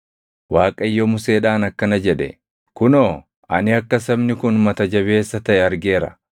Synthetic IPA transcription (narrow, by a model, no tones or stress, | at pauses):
waːkʼɐɪjːomʊse̞ːᶑaːnɐkːɐnɐd͡ʒɛᶑɛ̰ | kʊnoː | ʔɐ̰nɪɐkːɐsɐbnɪkʊnmɐt̪ɐd͡ʒɐβe̞ːsːɐt̪ɐʔɛɐɾɡeːɾɐ̰